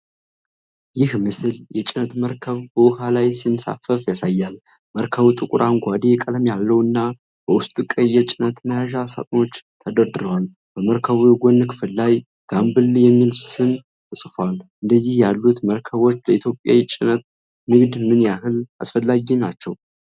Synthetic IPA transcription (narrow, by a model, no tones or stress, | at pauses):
jɪhmɨsɨljɛt͡ʃʼɪnət̪məɾkʰəβbəwhalajsinsa̰fəfjasajːal | məɾkʰəβt̪ʼɨkʼʊɾʔaŋɡʷad̪ekʼələmjalːəwɨnːa | b̥əwʊst̪ʼukʼəjːɛt͡ʃʼɪnət̪məjaʒasa̰t̪ʼno̞t͡ʃːt̪ʰəd̪əɾd̪ɨɾəwal | bəməɾkʰəβujɡʷonːɨkʰɨfɨlːaj | ɡ̥ambɨljɛmːilsɨn | t̪ʰɨsʼfwalʔɨnd̪əzːihjalːut̪məɾkʰəβo̞t͡ʃːləit̪jo̞pʼja̰jɛt͡ʃʼɪnət̪̚ | nɨɡd̪mɨnjaɦɨla̰sfəlːaɡinat͡ʃːɛw